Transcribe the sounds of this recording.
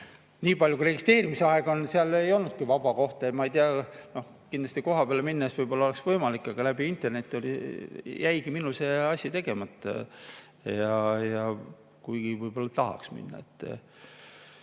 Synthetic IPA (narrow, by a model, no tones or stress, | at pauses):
niːpɑlʲjukuɾe̞ɡist̪e̞ːɾimiseɑeɡ̥o̞nseɑlejo̞lnud̪̥̚kivɑb̥ɑko̞ht̪ɑmɑejt̪iɑno̞h | kind̪lɑst̪iko̞ɦɑpeɑleminːɑesvɤjb̥o̞lːɑoeksvɤjmɑlikːˑɑɡ̥ɑlæb̥iint̪ːˑe̞rne̞t̪ʲːˑo̞lijʔæjɡiminuseɑsʲɑt̪e̞ɡ̥e̞mɑt̪ːˑɑ̰ | jɑjɑ | kujɡ̥ivɯjb̥o̞lːɑt̪ɑɦɑ̰ksmḭnːɑ̰ḛt̪ːˑ